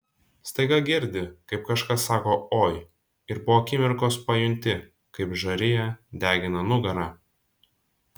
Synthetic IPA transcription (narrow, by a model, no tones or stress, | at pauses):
st̪ɐɪɡɐɡʲɪɾʲd̪ʲɪkɐɪp̚kɐʃkɐsːɑːkoːoːj | ɪɾbʊʋoːkʲɪmʲɪɾkoːspɐjʊnʲt̪ʲɪ | kɐɪpʒɐɾʲɪjɛd̪ʲæːɡʲɪnɐnʊɡɐɾɑː